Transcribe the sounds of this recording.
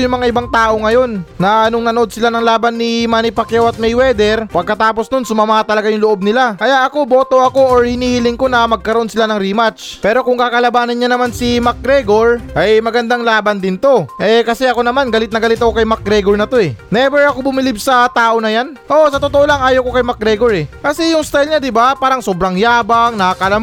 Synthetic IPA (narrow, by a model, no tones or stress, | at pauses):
jʊŋmɐŋaʔɪbaŋt̪aːʔo̞ŋɐjo̞nːɐnoŋnɐno̞d̪̚sɪlanɐŋlaːbɐnːimaːnɪpɐkjawɐt̪̚mɛjwɛːd̪ɛɾpɐɡ̚kːɐt̪aːpo̞snonsʊmɐmat̪ɐlɐɡajʊŋloʔo̞b̚nɪlakɐjaʔɐko̞bo̞ːt̪o̞ʔɐko̞ʔoɹhɪniːhɪlɪŋko̞nɐmɐɡ̚kɐɾoo̞nsɪlanɐŋɾimat͡ʃ | pɛːɾo̞kʊŋkakɐlɐbaːnɐnɲanɐmansimak̚ɡɾɛɡo̞ɹʔɐjmɐɡɐnd̪aŋlaːbɐnd̪ɪnt̪o̞ʔɛkɐsɛʔɐko̞nɐmanɡɐlɪt̪nɐɡɐlɪt̪ɐko̞kɐjmak̚ɡɾɛɡo̞ɹnɐt̪o̞ʔɛnɛbɛɹɐko̞bʊmɪlɪbsɐt̪aːʔo̞nɐjanʔo̞sɐt̪ot̪oʔo̞laŋʔaːjoko̞kɐjmɐk̚ɡɾɛɡo̞ɾɛkɐsɛjʊŋst̪ajlɲad̪ɪbapaːɾɐŋsoːbɾaŋjaːbaŋnɐakɐlɐ